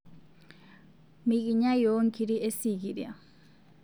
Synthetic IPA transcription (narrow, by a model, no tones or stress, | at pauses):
miɡiɲajoŋkiɾiesiɡiɾia